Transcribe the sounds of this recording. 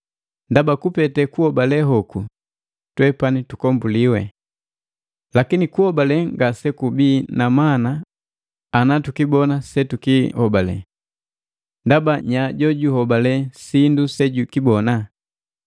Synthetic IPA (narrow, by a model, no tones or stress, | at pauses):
ndabakupɛtɛkuhɔbalɛɦɔku | twɛpanitukɔmbuliwɛ̰ | lakinikuhɔbalɛŋɡasɛkubiːnamanaː | natukibɔnasɛtukihɔbalɛ̰ | ndabaɲaɟɔɟuhɔbalɛsindusɛɟukibɔna